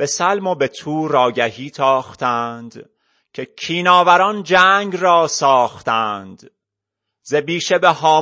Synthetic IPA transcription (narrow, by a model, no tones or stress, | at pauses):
b̥e̞sælmo̞be̞t̪ʰuːɾɒːɟæhiːt̪ʰɒːχt̪ʰænd̪̥ | cʰe̞cʰiːnɒːvæɾɒnd͡ʒæːŋɡrɒːsɒːχt̪ænd̪̥ | zebiːʃe̞behɒː